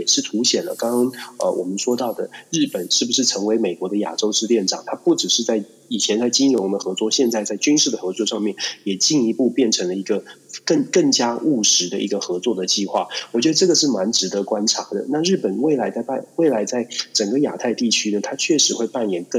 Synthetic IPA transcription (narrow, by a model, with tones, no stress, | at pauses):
jɛ˨˩ʂɻ̩˥˩t̪ʰu˧˥ɕjɛ˨˩nlə̰˦kɑ˥ŋkɑ˥ŋə̰˧wʔɔ̰˨˩mə˦nʂwɔ˥t̪ɑ˥˩ʊd̪ə˩ɻɻ̩˥˩pə˨˩nʂɻ̩˥˩bu˩ʂɻ̩˥˩ʈ͡ʂʰɤ˧˥ŋwe˧˥ɪme˨˩ɪkwɔ˧˥d̪ə˧ja̰˨˩ʈ͡ʂo˥ʊʂɻ̩˥˧ljɛ˥˩nʈ͡ʂɑ̰˨˩˦ŋt̪ʰa˥pu˥˩ʈ͡ʂɻ̩˨˩ʂɻ̩˥˧t͡sa˥˩ɪ | i˨˩t͡ɕʰjɛ˧˥nt͡sa˥˩ɪt͡ɕi˥nɻʊ˧˥ŋd̪ə˧xɤ˧˥t͡swɔ˥˧ɕjɛ˥˧nt͡sa˥ɪt͡sa˥˩ɪt͡ɕy˥nʂɻ̩˥˩d̪ə˩xɤ˧˥t͡swɔ˥˧ʂɑ˥˧ŋmjɛ˥˩njɛ˨˩t͡ɕi˥˩ŋi˧˥pu˥˧pjɛ˥˩nʈ͡ʂʰɤ˧˥ŋlə˧i˧˥ɡə˧kə˥˩ŋkə˥˩ŋt͡ɕja˥ʔu˥˩ʂɻ̩˧˥d̪ə̰˧ʔi˧˥ɡə˧xɤ˧˥t͡swɔ˥˩d̪ə˩t͡ɕi˥˧xwa̰˥˩wɔ˨˩t͡ɕɥɛ˧˥d̪ə˧ʈ͡ʂɤ˥˩ɡə˩ʂɻ̩˥˩ma˧˥nʈ͡ʂɻ̩˧˥d̪ə˧kwa˥nʈ͡ʂʰa˧˥d̪ə̰˧˨na˥˧ɻɻ̩˥˩pə˨˩nwe˥˩ɪla˧˥ɪt͡sa˥˧ɪpa˥˩nwe˥˩ɪla˧˥ɪt͡sa˥˩ɪʈ͡ʂə˨˩ŋɡə˦ja̰˨˩t̪ʰa˥˧ɪt̪i˥˩t͡ɕʰy˥nə˨t̪ʰa˥t͡ɕʰɥɛ˥˩ʂɻ̩˧˥xwe˥˧ɪpa˥˩njɛ˨˩nkə˥˧